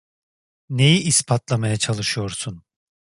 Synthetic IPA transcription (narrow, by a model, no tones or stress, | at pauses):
ne̞jiʔːspʰat̪lˠamajat͡ʃʰalˠɯʃɯjo̞ɾsun